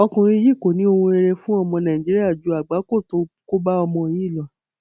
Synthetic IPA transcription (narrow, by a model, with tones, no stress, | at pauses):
ɔ˧kũ˧ɾ̃ĩ˧˦ji˦˨ko˨nĩ˦o˧hũ˧e˧ɾe˧fũ˦ɔ˦˧˨mɔ̃˧nã˨ĩ˨d͡ʒi˦ɾi˦a˦˨d͡ʒu˨˦a˨ɡ͡ba˨˦ko˦˨to˨˦ | ko˦ba˦ɔ˧mɔ̃˧ji˦˨lɔ˨